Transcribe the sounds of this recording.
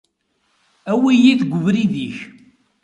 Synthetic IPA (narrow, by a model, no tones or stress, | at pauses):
æwijiθɡʷʊvɾiðiç